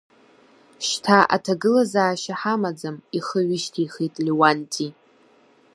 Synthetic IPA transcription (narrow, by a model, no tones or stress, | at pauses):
ʃtʰaʔa̰tʰaɡɨlazaːʃaħamad͡zamiχəɥɪʃtʰijχijtʼliwantʰʼi